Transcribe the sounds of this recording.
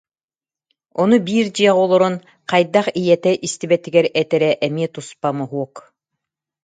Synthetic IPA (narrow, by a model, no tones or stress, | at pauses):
ɔnubiːɾd͡ʑiɛʁɔlˠɔɾɔn | qɑjd̪aχijɛt̪ɛʔist̪ibɛt̪iɡɛɾɛt̪ɛɾɛʔɛmiɛt̪uspamɔɦuɔk